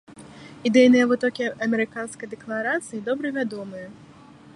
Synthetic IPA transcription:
id̪ɛjnɨjɐvɨt̪ɔkʲiɐmʲɛɾɨkanskɐjd̪ɛklˠaɾat̪sɨjid̪ɔbɾɐvʲad̪ɔmɨjɐ

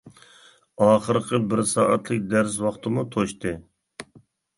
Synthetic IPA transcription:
ɑːχəɾqʰəbɪɾsɑːʔɑt̪ʰlˠɪk̚ʲd̪æɾs̬wɑχt̪ʰɨmut̪ʰoʃt̪ɨ

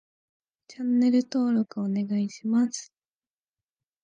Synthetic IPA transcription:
t͡ɕanːe̞ɾɯ̟t̪o̞ːɾo̞kɯ̟one̞ɡaiɕimasɨ̥

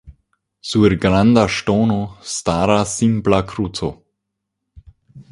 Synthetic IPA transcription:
suəɾɡɾand̪aʃtoːnost̪aːɾasimblakʰɾutʰo

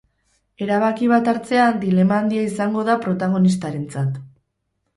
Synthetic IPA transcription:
e̞ɾaβ̞akiβ̞at̪aɾt͡se̞and̪ile̞maːnd̪iaisaŋɡo̞ðapɾo̞t̪aɣ̞o̞nist̪aɾe̞nt͡sat̪

